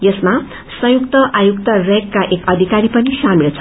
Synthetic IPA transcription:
jʌsma | sʌ̃jukt̪ʌʔajukt̪ʌrekːaʔekʌd̪ʱikaɾipʌnisamilt͡sʰʌ

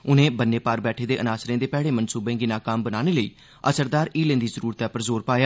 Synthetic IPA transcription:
ʊnẽːbənːeːpaːɾbɛːʈʰeːd̪eːʔənaːsɾẽːd̪eːpɛːɽeːmənsuːbẽːɡiːnaːkaːmbənaːneːləḭː | ə̰səɾd̪aːɾiːlẽːnd̪iːzəɾuːɾət̪ɛːpəɾzoːɾpaːjaː

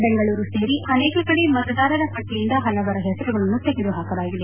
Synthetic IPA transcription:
beŋɡɐɭuːɾuseːɾiɐneːkɐkɐɽe̞mɐt̪ɐd̪aːɾɐɾɐpɐʈːijind̪ɐɦɐlɐʋɐɾɐɦɛsɐɾuɡɐɭɐnːut̪eɡid̪uɦaːkɐlaːɡid̪e

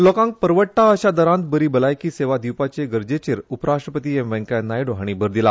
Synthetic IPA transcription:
lɔkãŋk̚pəɾʋəʈʈːaəɕad̪əɾãnt̪̚bəɾiːbəlajkiːseʋad̪iwpat͡ɕeɡəɾd͡ʑet͡ɕeɾupɾaʂʈɾəpət̪iːemʋɛ̃ŋkanajɖoɦaɽ̃ibʱəɾd̪ila

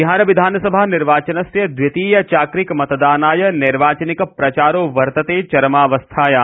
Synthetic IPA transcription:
ɦãːɾɐʋɪd̪ʱaːnsɐbʱanɪɾʋaːt͡ʃɐnɐsjɐd̪ʋɪt̪iːjɐt͡ʃaːkɾɪkmɐt̪d̪aːnaːjɐnɪɾʋaːt͡ʃənɪkpɾɐt͡ʃaːɾoːʋɐɾt̪ɐt̪eːt͡ʃɐɾmaːʋɐst̪ʰaːja

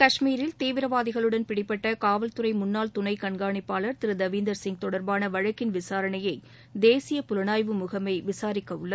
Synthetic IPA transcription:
kɐʂmiːɾɪlt̪iːʋɪɾɐʋaːðɪɣɐɭɯɽɐnpɪɽɪpːɐʈːɐkaːʋɐlt̪ɯɾɐɪmʊnːaːlt̪ʊnɐɪkɐɳɡaːɳɪpːaːɭɐɾt̪ɪɾɯd̪ɐʋiːnd̪ɐɾsɪŋ̚t̪ɔɽɐɾbaːnɐʋɐɻɐkːɪnʋɪsaːɾɐɳɐjɐɪ | d̪eːsɪjɐpʊɾɐɳaːjʋɯmʊɣɐmɐɪʋɪsaːɾɪkːɐɯɭːɐ

